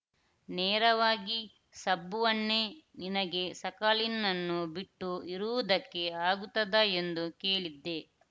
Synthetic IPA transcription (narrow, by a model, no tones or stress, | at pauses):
neːɾɐʋaːɡi | sɐbːuʋɐnːeninɐɡe̞sɐkaːlinːɐnːubiʈːuiɾuʋud̪ɐkːe̞aːɡut̪ːɐd̪ae̞nd̪ukeːɭid̪ːe̞